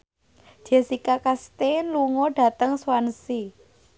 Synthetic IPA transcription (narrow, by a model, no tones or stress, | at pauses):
d̥d͡ʒ̥e̤sikakast̪enluŋɔɖ̥ä̤t̪əŋswansi